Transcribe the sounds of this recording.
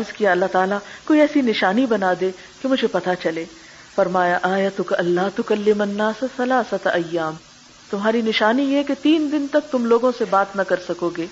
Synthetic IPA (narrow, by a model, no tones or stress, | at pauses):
ɐɾzkijaɐlːaɦt̪aːlakoːiɛːsinɪʃaːnibɐnaːd̪e | kemʊd͡ʒʱepɐt̪at͡ʃɐleː | fɐɾmaːjaʔaːjɐt̪ʊkɐɐlːaːɦt̪ʊkɐlːɪmɐnːaːsɐsɐlaːsɐt̪ɐjːaːm | t̪ʊmɦaːɾinɪʃaːnijɛket̪iːnd̪ɪnt̪ɐk̚t̪ʊmloːɡõsebaːt̪nɐkɐɾsɐkoːɡeː